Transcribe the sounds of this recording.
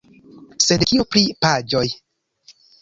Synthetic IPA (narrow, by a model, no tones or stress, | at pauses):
sedkʰiopʰɾiʔpʰaːd͡ʒɔj